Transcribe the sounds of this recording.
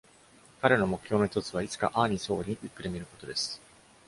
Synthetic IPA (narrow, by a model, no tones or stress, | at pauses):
kaɾe̞no̞mo̞kɯ̟̥ço̞ːno̞çi̥t̪o̞t͡sɨβait͡sɨ̥ka̰ʔaːɲ̟iso̞ːɾʲiɲ̟iʔɯkːɯ̟ɾemʲiɾɯ̟ko̞t̪o̞d̪e̞sɨ̥